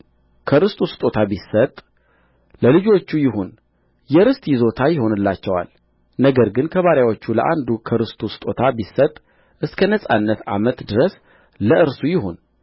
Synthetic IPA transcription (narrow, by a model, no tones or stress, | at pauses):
kʰɨɾɨst̪ʰʼost̪ʼo̞t̪ʰabisːət̪ʼ | ləlɨd͡ʒo̞t͡ʃːujɪɦon | jɛɾɨst̪ʼjɪzo̞t̪ʰajɪɦo̞nɨlːat͡ʃːɛwa̰l | nəɡəɾɡɨnkʰəβaɾjawot͡ʃːuləʔa̰nd̪ukʰɨɾɨst̪ʰʼost̪ʼo̞t̪ʰabisət̪ʼ | ʔɨskʰənəsʼa̰nːət̪a̰mət̪d̪ɨɾəs | ləʔɨɾsujɪɦon